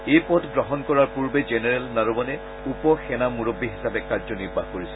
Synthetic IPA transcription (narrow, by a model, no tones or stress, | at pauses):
ejpɔtɡɹɔɦɔnkɔɹaɹpuɹbed͡ʒeneɹɛlnaɹubɔnɛ | upɔxɛnamuɹobːiɦisapɛkazɔniɹbʱahkoɹisɛ̥